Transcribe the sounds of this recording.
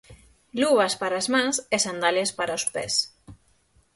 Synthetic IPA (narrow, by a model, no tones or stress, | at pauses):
luβaspaɾazmãŋsesand̪alespaɾaospɛ̰s